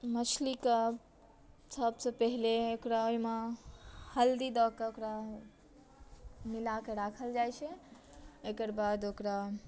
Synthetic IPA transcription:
mət͡ʃʰlikə | səbsepəɦileokɾaoime | həld̪id̪ɔkeokɾa | milakeɾakʰəld͡ʒajt͡ʃʰɛ | ekəɾbad̪okɾa

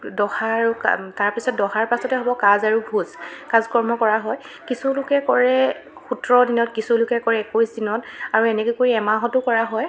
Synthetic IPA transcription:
dɔxaɹka̰taɹpisɔt̚dɔxaɹpasɔtɛɦɔbɔkazaɹubʱuzkazkɔɹmɔkɔɹaɦɔj | kisulʊkɛkɔɹɛ | xutɹɔdinɔtkisulʊkɛkɔɹɛɛkosdinɔtaɹuɛnɛkojkoɹiɛmaɦɔtʊkɔɹaɦɔj

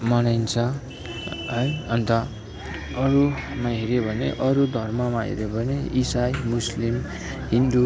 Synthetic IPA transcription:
mʌnajnt͡sʰʌ | ɦʌjʌnt̪ʌ | ʌɾumaɦiɾebʱʌnḛʔʌɾud̪ʱʌrmʌmaɦḭɾebʱʌneisajmuslim | ɦind̪u

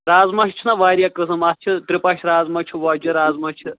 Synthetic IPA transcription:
ɾaːzmɐʃʰt͡ʃʰunɐʋaːɾijakɨsɐmɐst͡ʃʰiʈ̪ɾipɐʃʰɾaːzmɐt͡ʃʰuʋaːd͡ʒuɾaːzmɐt͡ʃʰɨ

